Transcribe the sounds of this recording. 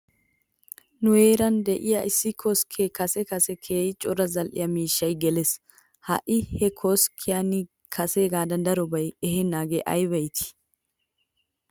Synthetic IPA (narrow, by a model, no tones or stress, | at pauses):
nʊheːɾɐnd̪ɛʔɪjɐʔɪsːɪkʰɔskʰekɐsɛkɐsɛkʰeːjɪt͡ʃʼɔɾɐzɐlʔɪ̰jɐmiːʃːɐjɡɛlɛs | hɐ̰ʔɪhɛkʰɔskʰɪjɐnɪ | kʰɐseːɡaːd̪ɐnd̪ɐɾɔbɐjɛhɛnːaːɡeʔɐ̰jbɐjt̪ʰɪ̥